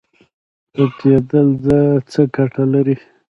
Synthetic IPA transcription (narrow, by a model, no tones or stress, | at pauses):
əked̪əlzət͡səkaʈʰalaɾi